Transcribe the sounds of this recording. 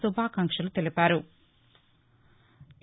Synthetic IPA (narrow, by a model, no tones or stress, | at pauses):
subʱaːkɐŋkʂɐlut̪elipaːɾu